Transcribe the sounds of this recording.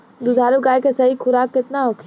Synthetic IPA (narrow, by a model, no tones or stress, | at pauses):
d̪ud̪ʱaːɾuɡaːjkesɐɦikʰʊɾaːkːɪt̪naɦʊkʰ